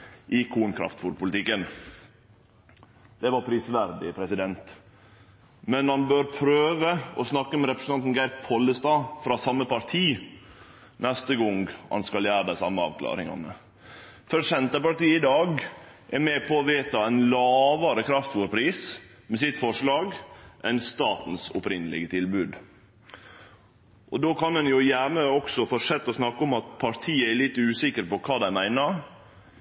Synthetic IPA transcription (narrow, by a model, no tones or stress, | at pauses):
ʔɪkʰuːnkʰɾɑ̰ft̪fuːɾpʊlɪt̪ɪkːən | d̪̥ɛʋɑɾpʰɾiːsʋæɾd̪ɪ̰pʰɾɛsɪd̪ɛnt̪ | mɛnhɑnbøːɾpʰɾøːʋəɔsnɑkːəmɛɾɛpɾəsn̩ɑnn̩ɡæɪɾpʰɔləst̪ɑːfɾɑsɑmːəpɑɾt̪ʰiː | nɛst̪əɡɔŋhɑ̰nskɑljæːɾəd̪æɪsɑ̰mːəɑ̰ːʋkʰlɑ̰ːɾɪ̰ŋɑ̰nə | fœɾʂɛnt̪əpɑʈiːəɪd̪ɑːɡ | ʔɛɾmeːpʰɔːʋeːt̪ɑæɪnlɑːʋɑɾəkʰɾɑft̪ʋuːɾpʰɾiːs | mɛsɪt̪fɔʂlɑːɡʔɛɪnst̪ɑːt̪n̩sʊ̰pɾɪnːəlɪ̰ɡət̪ʰɪlbʉːd̪ | ʔɔd̪oːkʰɑnɛnjʊjænəɔksɔfɔʂɛt̪ːɔsnɑkːʊmɑt̪pʰɑɾt̪ʰiːəælɪt̪ːʉːsɪkəɾpɔkʰɑːd̪æɪmæɪnəɾ